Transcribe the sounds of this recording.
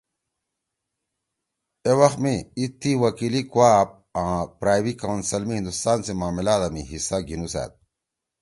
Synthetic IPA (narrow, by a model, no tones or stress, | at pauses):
ewɐxmiit̪ʰːiwɐkilikuaːp̚ãpɾaːjwikawnsɐlmiɦĩnd̪ust̪aːnsemaːmilaːd̪amḭɦisaɡʱinusa̰ːt̪̚